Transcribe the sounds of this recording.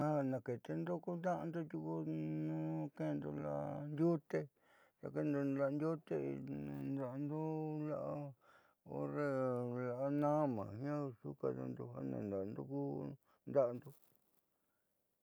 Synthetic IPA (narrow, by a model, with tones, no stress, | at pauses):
ã˦a˧nã˨ke˨t̪e˧nd̪o˦ku˦nd̪ã˦ʔnd̪o˦ju˧ku˧nũ˦ke˦˧nd̪o˧la̰˧nd̪ʲju˦t̪e˦ | ta˧ke˦˧nd̪o˧la˧nd̪ʲjo˦t̪ẽ˦˧nd̪a˧nd̪o˦la˦ʔa˦ | o̰˦ɾe˦la˧ʔa˧nã˦mã̰ː˨hjã˦˧su˦ka˧na̰˧nd̪o˧ha˦nã̰˨nd̪a˨nd̪u˦ku˦ | nd̪a˦ʔnd̪o˧